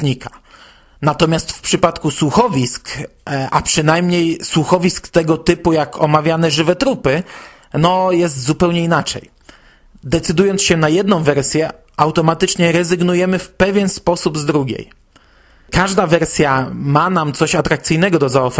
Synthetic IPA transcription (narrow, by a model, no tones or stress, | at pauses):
ɲika | nat̪ɔmʲjast̪fpʂɘpat̪kuswuxɔvʲisk | ʔapʂɘnajmɲejswuxɔvʲiskt̪ɛɡɔt̪ɘpujakʰɔmavʲjanɛʐɘvɛt̪ɾupɘ | nɔjɛs̬t̪zupɛwɲɛinat͡ʂɛ̰j | d̪ɛt̪sɘd̪ujɔnt̪ɕɛnajɛd̪nɔ̃w̃vɛɾsʲjɛ | ʔawt̪ɔmat̪ɘt͡ʂɲɛɾɛzɘɡnujɛmɘfpɛvʲjɛnspɔsubzd̪ɾuɡʲḛj | kaʐd̪avɛɾsʲjamanamt̪sɔɕat̪ɾakt̪sɘjnɛɡɔd̪ɔzaɔf